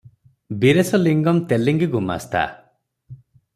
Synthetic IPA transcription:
biɾesɔliŋɡɔmt̪eliŋɡiɡuma̰st̪ʰa̰

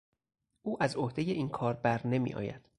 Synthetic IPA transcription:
ʔuːʔæzohd̪eje̞ʔiːnkʰɒːɾbæɾne̞mḭːʔɒ̰ːjæ̰d̪̥

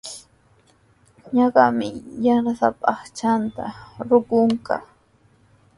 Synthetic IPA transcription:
ɲɑɢɑmɪjaɾasapʼɑχt͡ʃant̪a̰ɾʊkʊɴkɑ̰

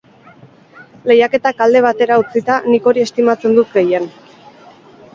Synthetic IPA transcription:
le̞jake̞t̪akald̪e̞β̞at̪e̞ɾaut͡sit̪aniko̞ɾie̞st̪imat͡se̞nd̪ut̪ɡe̞je̞n

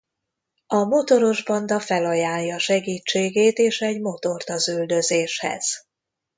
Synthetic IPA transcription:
ɒmo̞t̪o̞ɾo̞ʒbɒnd̪ɒfɛlɒjaːljɒːʃɛɡiːt͡ʃːeːɡeːt̪eːʃɛɟmo̞t̪o̞rt̪ɒzyld̪ø̞zeːʃhɛ̰z̥

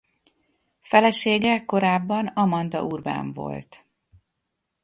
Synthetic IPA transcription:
fɛlɛʃeːɡɛko̞ɾaːbːɒnɒmɒnd̪ɒ̰ʔurba̰ːɱvo̞̰lt̪

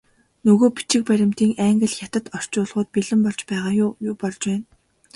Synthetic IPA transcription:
nɵɣoːpi̥t͡ɕɪ̆k̚pæɾʲɪ̆m̥t̪iːŋæːŋɡɘ̆ɮxʲat̪ə̆t̪ɔr̥t͡ɕʊːɮʁʊːt̪̚piɮɘ̆mpɔɮt͡ɕpæːʁaːjʊːjʊːpɔɮt͡ɕpæːn

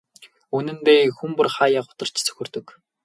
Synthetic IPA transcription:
unɘ̆nt̪eːxumpʊ̆rχaːjaːqʊ̥t̪ə̆r̥t͡ɕʰt͡sɵ̥xʲɵ̆rt̪ɵ̆k

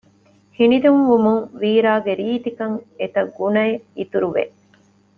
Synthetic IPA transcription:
hinid̪umʋumuŋʋiːɾaːɡeɾiːt̪ikɐŋet̪ɐɡunɐeit̪uɾuʋḛ

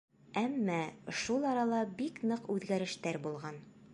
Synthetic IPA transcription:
æmːæʃulˠɒɾɑlˠɑbiknɤqʉðɡæɾɘ̆ʃt̪æɾbulˠʁɑn

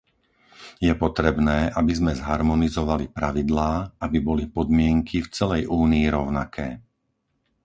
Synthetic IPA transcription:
jɛpɔt̪ɾɛbnɛːʔabizmɛzɦaɾmɔnizɔʋalipɾaʋid̪laːabibɔlipɔd̪mɪɛŋkʰift͡sɛlɛjʔuːniːɾɔʊnakʰɛː

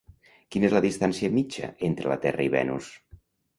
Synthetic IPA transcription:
kinəezləðist̪ansiəmit͡ʃə̰ent̪ɾələ̰t̪ɛrəiβɛ̰nus

